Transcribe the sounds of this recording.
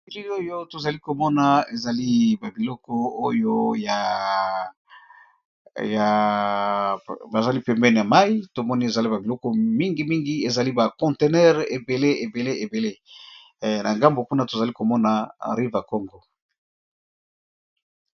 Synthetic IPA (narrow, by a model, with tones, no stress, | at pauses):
i˨li˦o˦jo˦to˨za˨li˦ko˨mɔ˦na˨e˨za˨li˦ba˨bi˨lɔ˦kɔ˦o˦jo˦ja˨ | ja˨ | ba˨za˦li˦pɛ˨mbɛ˦n˨ja˨ma˦i˦to˨mɔ˦ni˦e˨za˨li˦ba˨bi˨lɔ˦kɔ˦mi˦ŋɡi˨mi˦ŋɡi˦e˨za˨li˦ba˨kɔ̃˨nte˨nɛ˦ʁe˨be˨le˦e˨be˨le˦e˨be˨le˦ | na̰˨ŋɡa˦mbo˨ku˦na˦to˨za˨li˦ko˨mɔ˦na̰˨ʁi˦va˨ko˦ŋɡo˦˨